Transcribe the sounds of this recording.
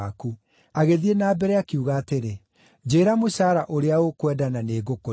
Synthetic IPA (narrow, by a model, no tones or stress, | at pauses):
aku | aɣeðienaːbɛɾɛakiuɣaːteɾe | d͡ʑeːɾamoɕaːɾaʔoɾeaokwɛːdananeːɡoko